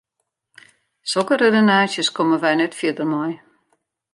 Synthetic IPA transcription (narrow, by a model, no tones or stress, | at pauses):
solˠkəredənaːsjəskɔməʋɛjnɛtfjədəmɔj